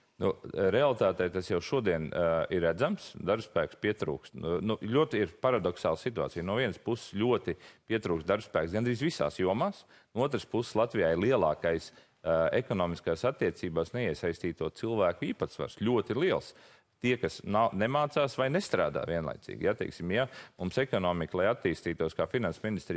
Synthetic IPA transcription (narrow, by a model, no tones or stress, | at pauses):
nuɾealˠit̪aːt̪ɛjt̪asjawʃuɔd̪iɛniɾːæd̪zamsd̪aɾbspæːkspiɛt̪ɾṵːkst̪nulʲuɔt̪iɾpaɾad̪ɔksa̰ːlˠsit̪ua̰ːt̪sijnuɔvʲiɛnspusslʲuɔt̪ipʲiɛt̪ɾuːksd̪aɾbspæːksɡand̪ɾiːzʋisa̰ːsjuɔmaːs | nuuɔt̪ɾəspusslˠat̪ʋijaːiɾlˠiɛlˠɑːkajs | ekɔnɔːmiskaːsat̪ːiɛt̪siːbaːsnɛiɛsajst̪iːt̪uɔt̪silˠʋæːkʊiːpat̪sʋa̰ɾslʲuɔt̪lˠiɛlˠs | t̪iɛkasnanemaːt̪saːsʋajnɛst̪ɾa̰ːd̪a̰ːʋiɛnlˠa̰jt̪sḭːɡʲjat̪ɛɪksimjamumsɛkɔnɔːmiklˠajat̪ːiːst̪iːt̪uɔskaːfinansminist̪ɾi